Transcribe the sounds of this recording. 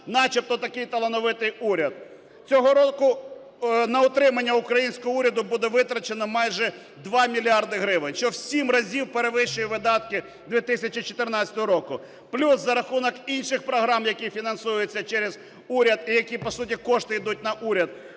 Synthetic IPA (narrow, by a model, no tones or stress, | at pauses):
nɑt͡ʃip̚t̪ɔt̪ɐkɪjt̪ɐlˠenɔʋɪt̪ɪjuɾʲɐd̪̚ | t͡sʲɔɦɔɾɔkʊ | nɐʊt̪ɾɪmɐnʲːɐukɾɐjinʲsʲkɔɦɔuɾʲɐd̪ʊbud̪ɛʋɪt̪ɾɐt͡ʃenɐmɑjʒɛ | d̪ʋɑmʲilʲiɑrd̪ɪɦɾɪʋɪnʲʃt͡ʃɔwsʲimrɐzʲiwpeɾeʋɪʃʊjiʋɪd̪ɑt̪kɪ | d̪ʲʋʲit̪ɪsʲɐt͡ʃit͡ʃɔ̥t̪ɪrnɑt͡sʲɐ̥t̪ɔɦɔɾɔkʊ | plʲuszɐɾɐxunɔkinʃɪxpɾɔɦɾɑmjɐkʲifʲinɐnsujet͡sʲːɐt͡ʃɛɾez | uɾʲɐd̪ijɐkʲipɔsutʲikɔʃt̪ɪid̪ut̚ʲnɐʔuɾʲɐd̪̚